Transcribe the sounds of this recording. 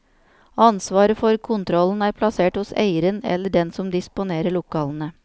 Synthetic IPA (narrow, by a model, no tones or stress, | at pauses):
ɑnsʋɑːɾəfɔɾkʰʊnt̪ʰɾɔln̩æːɾpʰlɑseːʈhʊsḛɪəɾənɛ̰lːəɖɛnsɔmd̪ɪspʊneːɾəɭʊkɑːln̩ə